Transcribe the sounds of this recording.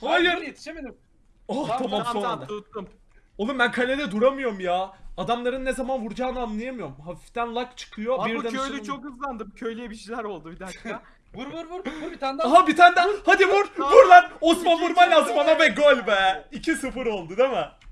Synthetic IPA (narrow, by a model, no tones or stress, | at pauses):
aj̪me | oht̪ʰamammsonad̪m | olˠɯumbænkʰalʲed̪ɛd̪uɾamɯjo̞ɾmjaːd̪amlˠaɾɯnːezamanvuɾd͡ʒaːnɯamlˠajamɯjo̞ɾmɦafift̪ænlˠakt͡ʃʰɯ̥kʰɯjo̞biɾd̪æøjlʲyt͡ʃʰokɯzlˠand̪ɯmcʰøjlʲijɛbiʃilʲæɾo̞lˠd̪ubid̪æ | uɾuɾɾaɦabit̪ʰand̪æhad̪ibuɾbuɾlˠaɾosmanbuɾmalʲasmanabɛɡolʲbɛicʰisɯfɯɾo̞lˠd̪ud̪emɪ